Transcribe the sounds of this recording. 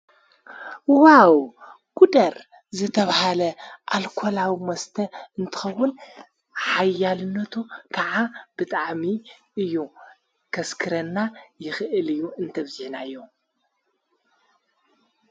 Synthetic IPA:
waw | kʼud̪ɐɾ | zɨt̪ʰɐβhalɐʔalkʰolawimɐst̪ʰɐɨnt̪ʰɨ̥xɐwːʊn | ħajːalɨnːɐt̪ʰukʰaʕab̥ɨt̪ʼaʕmi | ɨjːu | kʰɐskʰɨɾɐnːajɪxɨʔɨlɨjːuɨnt̪ʰɐβzɪħnaɨjːo

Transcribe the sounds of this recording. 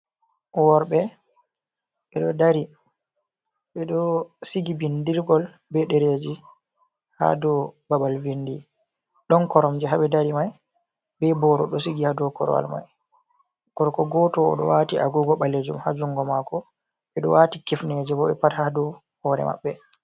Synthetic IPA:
wɔɾɓɛ | ɓɛɗɔdaɾi | ɓɛɗɔsiɡibindiɾɡɔl | bɛɗɛɾed͡ʒi | ha̰dɔbabalvindi | ɗɔnkɔɾɔmd͡ʒɛɦaɓɛdaɾimaj | bɛbɔɾɔ̰ɗɔsiɡihadɔkɔ̰ɾ̰wa̰lma̰j | kɔɾkɔɡɔtɔ̰ːɗɔ̰waːtiʔa̰ɡuɡɔɓaled͡ʒumhad͡ʒuŋɡɔmakɔ | ɓɛɗɔ̰watikifned͡ʒɛbɔɛpathadɔ | hɔːɾɛ̰ma̰ɓːɛ

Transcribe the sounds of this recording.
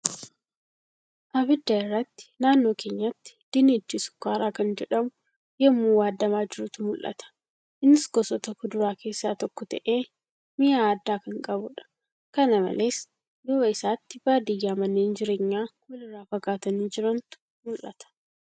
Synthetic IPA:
ʔɐbɪd̪ːɐɪrːɐt̪ːɪ̥naːnːo̞ːke̞ːɲːɐt̪ːɪ̥d̪̥ɪnet̪ːɪsʊ̥kaːɾaːkɐnd͡ʒɛᶑɐmʊ | jɛmːuːwaːd̪ːɐmaːd͡ʒɪɾʊt̪ʊmʊlʔɐ̰t̪ʰɐ̥ | ʔɪnːɪsɡɔsɔt̪ɐkːʊd̪ʊɾaːke̞ːsːaːt̪ɔkːɔt̪ɐʔeː | mɪjaːd̪ːaːkɐŋkʼɐbʊᶑɐ̥ | kɐnɐmɐ̰le̞ːs | jowɐɪsaːt̪ːɪbaːd̪ijaːmɐnːeːnd͡ʒɪɾeːɲːaːkʊlɪraːfɐkːaːt̪ɐniːd͡ʒɪɾɐnt̪ʊ̥ | mʊlʔɐ̰t̪ɐ̥

